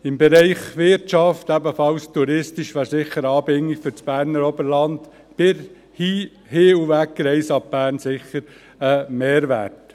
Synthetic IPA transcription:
ɪmbɛɾɛɪχʋɪɾtt͡ʃɑftæbəfɑlstuɾɪstiʃʋæːɾsɪχəɾɑːbɪŋːikfʏt͡sb̥æːɾnəɾɔbəɾlɑnd | b̥ɪɾ | hiː | hɪːuʋæk̚ɡɾɛɪsɑp̚b̥æːɾnsɪχːəɾ | əmeːɾʋæ̰t

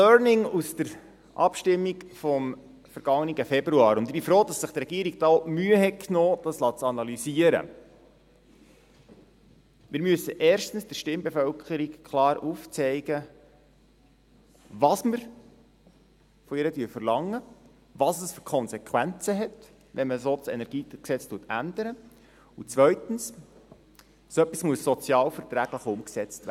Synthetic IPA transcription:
œːɾnɪŋusd̥əɾ | ʔɑ̰pʃtɪmːiɡfɔm | fəɾɡ̥ɑŋːəniɡəfɛbɾuɑːɾʊnd̪ɪb̥ifɾoːdɑsːəχt̪ɾɛɡiəɾiɡ̚d̥ɑomyəɦɛt̚kʰnoːd̥̪ɑslɑt͡sɑnɑlyziəɾə̰ | mɪːɾmyəsːəʔɛːɾʃtn̩sd̥əɾʃtɪmbɛfœlkʰχəɾikkʰlɑːɾuft͡sɛɪɡə | vɑsməɾ | fɔiɾədyːfərlɑŋːə | ʋɑːsəsfyɾkʰɔnsɛkʰwænt͡səɦɛt | ʋɛnməsoːt͡sɛ̰nɛɾɡ̥iːksɛt͡stuətænd̥̪əɾə | ut͡sʋœɥtn̩s | soœpːismuəsːɔt͡sjɑːlfəɾtɾæɡləχʊmksɛt͡stæ

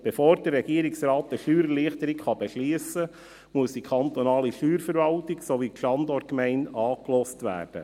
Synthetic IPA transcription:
b̥efoːɾd̥ərːɛɡiəɾɪksɾɑːtəʃyːɾəliəχtəɾɪkχɑbɛʃliəsə | muəsd̥ikʰχɑnt̪ɔnɑːliʃyːɾfəɾvɑltiɡsoʋikʃɑndɔtkmæɪnɑːklɔstʋæ̰ːrd̥ə̰

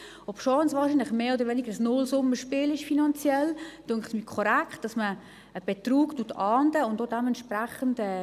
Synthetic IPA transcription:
ɔpʃɔːnsvʋɑːɾʃiːnlɪχmeːodəɾʋɛːnɪɡ̥əəsnʊlsʊməʃpiːlɪʃfinɑnt͡sjɛld̥ʊŋχsmikʰɔɾɛkχt̚d̥ɑsmə | əb̥etruːktutʰɑːndəʊntdodɛmɛntʃpɾæχəndɛ

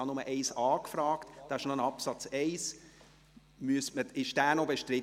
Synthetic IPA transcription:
ɑnʊməʔɛɪsɑːkfɾɑːktd̥ɑːɪʃnoənɑpsɑt͡sɛɪs | myəstməɪʃd̥æːnobeʃtɾɪ

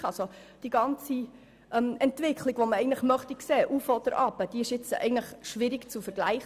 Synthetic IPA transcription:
ɑsod̥iɡɑnt͡si | ʔɛmɛntʋɪkʰχliɡ̥ʋoməɛɪɡən̩tləχmœχtikseːʔufɔd̪̥əɾʔɑbəd̥iɪʃɪt͡sɛ̰ɪɡən̩tləχʃʋɪɾikt͡sufəɾɡlæɪχ

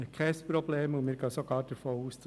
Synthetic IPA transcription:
kʰɛspɾɔbleːmʊnmɪːɾɡ̥ɑːsoɡɑːɾd̥əɾfoːuːst͡s

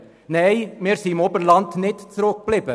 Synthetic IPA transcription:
nɛɪmeːɾsiːmɔbəɾlɑnt̪nɪt̪t͡sɾok̚b̥lɪb̥ə

